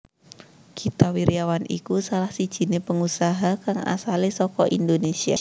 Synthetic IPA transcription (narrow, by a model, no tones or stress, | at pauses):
kit̪awiɾiawanʔḭkusalahsid̥ʒ̥i̤nepəŋusaɦakaŋa̰salisɔkɔʔindonesia̰